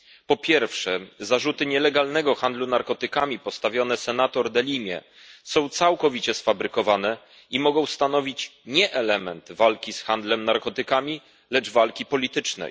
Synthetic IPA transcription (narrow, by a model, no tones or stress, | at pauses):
pɔpʲjɛɾfʂɛzaʐut̪ɘɲɛlɛɡalnɛɡɔxand̪lunaɾkɔt̪ɘkamʲipɔst̪avʲjɔn̪ɛsɛnat̪ɔɾd̪ɛlʲimʲjɛ̰ | sɔ̃w̃t̪sawkɔvʲit͡ɕɛsfabɾɘkɔvanɛ | imɔɡɔ̃w̃st̪an̪ɔvʲit͡ɕɲɛʔɛlɛmɛnt̪valkʲisxand̪lɛmnaɾkɔt̪ɘkamʲi | lɛd͡ʐvalkʲipɔlʲit̪ɘt͡ʂnɛ̰j